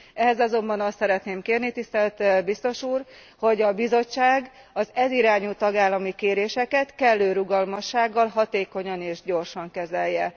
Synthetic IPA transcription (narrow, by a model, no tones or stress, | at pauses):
ɛɦɛzɒzo̞mbɒnɒst̪sɛɾɛt̪neːmkeːrnit̪ist̪ɛlt̪bist̪o̞ʃuːr | ho̞ɟɒbizo̞t͡ʃːaːɡ | ɒzɛziɾaːɲult̪ɒɡaːlːɒmikeːɾeːʃɛkɛt̪kɛlːøːɾuɡɒlmɒʃːaːɡːɒlɦɒt̪eːko̞ɲɒneːʒɟo̞rʃɒŋkɛzɛjːɛ